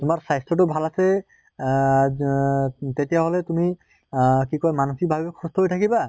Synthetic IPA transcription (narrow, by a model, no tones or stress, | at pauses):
tumaɹsajstɔt̬ʊbʱalasɛ | tetijaɦɔlɛtumi | kikɔjmanuxik̚bʱabibkʰːustʰɔɦojtʰakiba